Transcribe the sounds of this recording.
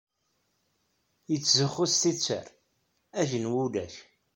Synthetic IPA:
jət͡sːzəχːʊst̪it͡sːə̰ɾ | æʒənwulæʃ

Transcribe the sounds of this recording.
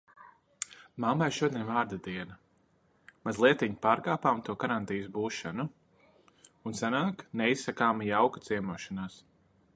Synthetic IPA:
mamajʃuɔd̪ʲiɛnvaːɾd̪ad̪iɛna | mazlˠiɛt̪iɲipaːɾkaːpaːmt̪uɔkaɾant̪ijusbuːʃanu | unsanaːknɛisːakaːmijawkat̪siɛmuɔʃanaːs

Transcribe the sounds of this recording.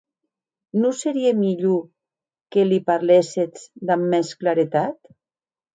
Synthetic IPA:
noseɾiemiʎo | kelipaɾleset͡sd̪amːɛsklaɾet̪at̪

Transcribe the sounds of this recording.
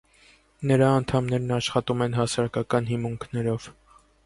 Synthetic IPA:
nəɾɑːnt̪ʰɑmnɛɾnɑʃχɑt̪umɛnɦɑsɑɾɑkɑkɑnɦimuŋkʰnɛɾɔv̥

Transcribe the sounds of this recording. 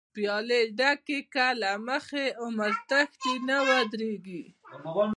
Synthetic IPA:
pjɑleɖakekalaməxeʊməɾt̪axt̪inawad̪ɾeɡi

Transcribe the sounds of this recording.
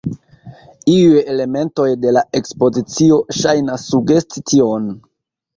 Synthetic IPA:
iujele̞me̞nto̞jde̞lae̞kspo̞zit͡sio̞ʃajnasːuɡe̞st͡sitio̞n

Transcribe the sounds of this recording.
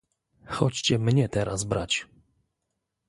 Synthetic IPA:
xɔt͡ɕt͡ɕɛmɲɛt̪ɛɾazbɾat͡ɕ

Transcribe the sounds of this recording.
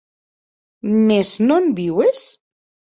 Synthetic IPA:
meznombiwes

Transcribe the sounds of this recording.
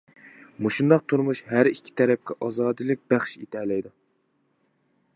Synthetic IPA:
muʃund̪ɑqt̪ʰuɾmuʃhæɾikʲʰːi̥t̪ʰɛɾɛp̚kʲɛʔɑzɑːd̪ɨlˠɨk̚ʲbæχʃit̪ʰɛlɛjd̪u

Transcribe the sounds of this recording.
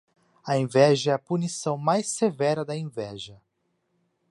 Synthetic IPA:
ɐẽvɛʒɐɛɐpunisɐ̃w̃majsevɛɾɐd̪ɐẽvɛʒɐ

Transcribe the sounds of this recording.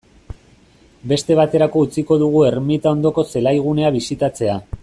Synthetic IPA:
be̞st̪e̞β̞at̪e̞ɾako̞ut͡siko̞ðuɣ̞ue̞ɾmit̪ao̞nd̪o̞ko̞se̞lajɣ̞une̞aβ̞isit̪at͡se̞a

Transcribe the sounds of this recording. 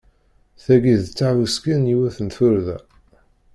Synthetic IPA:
θæɡiðt͡sːavuskəniwæθənθʊɾðæ̰

